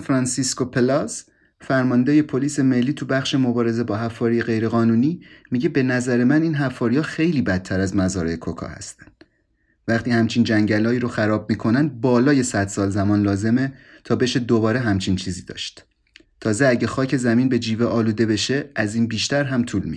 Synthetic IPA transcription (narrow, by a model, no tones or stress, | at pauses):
fɾɒnsisko̞pʰelɒz | fæɾmɒnd̪eje̞pʰo̞liːse̞melːiːt̪ʰubæχʃe̞mo̞bɒːɾe̞ze̞bɒːɦæfːɒːɾijeɣe̞jɾe̞ɣɒːnuːniːmiɟe̞be̞næzæɾe̞mæniːnɦæfːɒːɾijɒːxe̞jliːbæt̪ʰːæɾæzmæzɒːɾejekʰokʰɒ̰hæ̰st̪æ̥nd̪̥ | væxt̪iːhæmt͡ʃʰiːnd͡ʒæŋɟælɒːiːɾoxæɾɒːb̚miːkʰo̞nænd̪̚bɒːlɒːje̞sæd̪̥sɒːlzæmɒːnlɒːze̞me̞t̪ʰɒːbe̞ʃed̪o̞bɒːɾe̞ɦæmt͡ʃʰint͡ʃʰiːziːd̪ɒ̰ːʃt̪ | t̪ʰɒːzeæɟexɒːcʰe̞zæmiːnbe̞d͡ʒiːveʔɒːluːd̪e̞be̞ʃe̞ʔæziːnbiːʃt̪æɾɦæmt̪ʰuːlmi